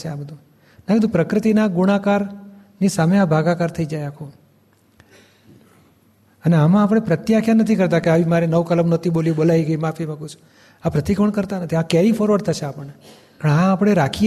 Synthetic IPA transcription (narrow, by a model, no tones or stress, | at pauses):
ʃʰeabəd̪ũ | nakid̪ũpɾəkɾɪt̪inaɡuɽ̃akaɾ | nisameabʱaɡakaɾt̪ʰəid͡ʒajakʰo | əneamãːp̬ɽ̃epɾət̪jakʰjanət̪ʰikəɾt̪akeaʋimaɾenəʋkələmnət̪ʰiboljuɓolaiɡəimafʰimãkut͡ʃʰu̥ | apɾət̪ikʰoɳkəɾt̪anət̪ʰiakɛɾifʰɔɾʋəɽt̪ʰəʃeapəɳe | pəɳaːpɽ̃eɾakʰi